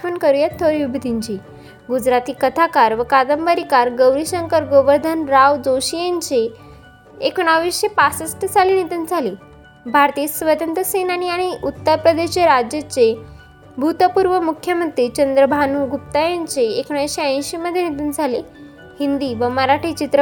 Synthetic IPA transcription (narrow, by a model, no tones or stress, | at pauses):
pənkəɾujat̪ʰːoɾiʋibʱid̪ʱiɲt͡ɕiː | ɡud͡zɾat̪iːkət̪ʰakaɾʋəkad̪əmbəɾikaɾɡəwɾiɕəŋkəɾɡoʋəɾd̪ʱanɾaʋd͡zoɕijeɲt͡se | ekuɽ̃aʋiɕepasəsʈəd͡zʱalenit̪und͡zʱale | bʱaɾt̪iːsʋəd̪ənt̪əsenaniaɽ̃iʔut̪ːəɾpɾəd̪eeɾad͡ʑjət͡se | bʱut̪əpuɾʋəmukʰjəmənt̪ɾiːt͡ɕənd̪ɾəbʱanuɡʱup̚t̪ajaɲt͡seːkuɽ̃ajɕeə̃j̃ɕiməd̪ʱːjenit̪und͡zʱale | hind̪iːʋəməɾaʈʰit͡ɕit̪ɾə